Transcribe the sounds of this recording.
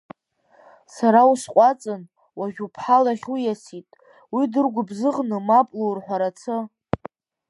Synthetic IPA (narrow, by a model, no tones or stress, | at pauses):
saɾawusqʷʼat͡sʼɨn | waʒʲᶣupʰħalaχʲujasitʼ | widɨrɡʷʊbzɨʁnɨmapʼlowrħʷaɾat͡sʰɨ